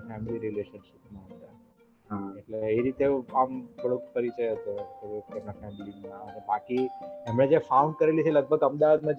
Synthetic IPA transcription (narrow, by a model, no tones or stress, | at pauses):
fɛmiliɾileɕənɕipnaɦt̪a | eʈleeɾit̪eambəɽokpəɾit͡ɕəjeɦət̪ot̪eʋekt̪emafɛmilinanə̃bakiamɭed͡ʑefauɳɖkəɾelisʰeləɡ̚bʱəɡəmd̪aʋət̪məd̪